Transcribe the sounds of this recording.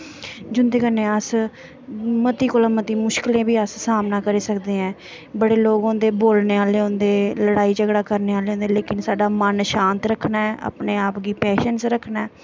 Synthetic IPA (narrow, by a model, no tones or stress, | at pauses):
d͡ʒʊnd̪eːkənẽːəs | mət̪iːkoːlãːmət̪iːmʊʃkɪlẽːbiːəssaːmnaːkəɾeːsəkd̪eːɛ̃ː | bəɽeːloːɡõːd̪eːboːlneːaːleːõːnd̪eːləɽaːiːd͡ʒəɡɽaːkəɾneːaːleːõːnd̪eːleːkɪnsaːɖaːmənʃãːnt̪ɾəkʰnaːɛːʔa̰ːpneːaːpɡiːpɛːʃənsɾəkʰnaɛː